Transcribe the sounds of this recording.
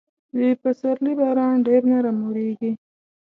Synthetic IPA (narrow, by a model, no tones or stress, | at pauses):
d̪epasaɾlibɑɾɑnɖeɾnaɾamuɾeɡi